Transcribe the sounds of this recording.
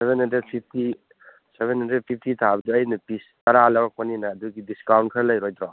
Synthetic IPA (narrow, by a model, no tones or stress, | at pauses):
sebenɦɐnded̚pʰip̚ʰti | seβenɦɐnɾepʰip̚ʰtitʰabduɐjnɐpistɐɾalawak̚pɔninaːduɡidiskawnkʰəɾlɐjɾɔjd̪ɾɔ